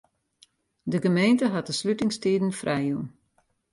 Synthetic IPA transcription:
dəɡəmejntəɦat̚dəslytɪŋstiːdn̩frʔɛjun

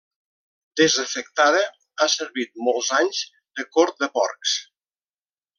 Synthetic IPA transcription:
d̪̥ezəfək̚t̪aðə | asəɾβit̪̚molˠzaɲz | dəkoɾt̪̚d̪əpɔ̰rks

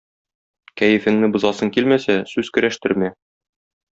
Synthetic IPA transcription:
kæjɘ̆fɘ̆ŋnɘbŏzɑsɤŋkilmæsæsʉzkɘ̆ɾæʃt̪ɘ̆ɾmæ

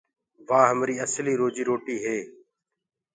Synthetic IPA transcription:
ʋãːɦəmɾiːəsliːɾoːd͡ʒiːɾoːʈiːɦeː

